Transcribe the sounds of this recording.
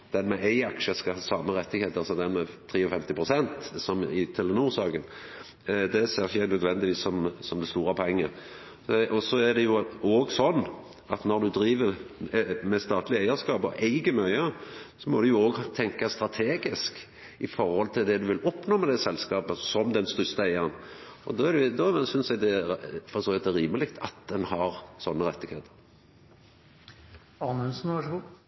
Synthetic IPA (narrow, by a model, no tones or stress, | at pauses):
d̪̥ɛnmɛæɪɑkʃəskɑhɑːsɑːməʁɛt̪ːɪɡheːt̪əɑsɔd̪ɛnmɛt̪ʰʁiːɔfɛmt̪ɪpʰʁʊsɛnt̪sɔmɪt̪ʰɛlɛnuːʁsɑːɡən | d̪ɛseːʁɪçənœd̪ʋɛnd̪ɪʋiːssɔmsɔmd̪ɛst̪uːʁɑpʰɔɛŋːə | ɔsɔæd̪ɛjʊoːɡsɔnː | ɑt̪nɔʁd̪ʉd̪ɾiːʋəʁ | mɛst̪ɑːt̪lɪæɪəskɑːpɔ̰ʔæɪɡəmœʏəsɔmɔd̪ʉjʊoːɡt̪ʰɛŋkɑst̪ɾɑt̪ʰeːɡɪsk | ɪfɔɾhɔlt̪ʰɪld̪ɛd̪ʉʋɪlɔpnoːmɛd̪æsɛlskɑːpəsɔmd̪ɛnst̪ʏst̪əæɪəʁənɔ̰d̪ɔːædɛd̪ɔsʏnsɛɡd̪ɛfɔɾsoːʋɛt̪ɛɾiːməlɪkt̪ʰɑt̪̚d̪ɛnhɑɾsɔnːəʁɛt̪ːɪɡheːt̪ʰə̥ɾ | ɑnʉnsn̩ʋɑʂɡu